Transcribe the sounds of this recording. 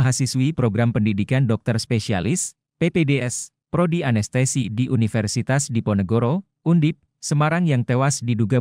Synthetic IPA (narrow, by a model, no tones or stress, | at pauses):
ɦasiswipɾoɡɾampəndidikandɔk̚t̪ərspesia̰lɪs | pepedeɛs | pɾodianɛst̪esidiʔunifɛrsit̪asdipɔnəɡoɾo | undɪp̪̚ | səmaɾaŋjaŋt̪ewasdiduɡa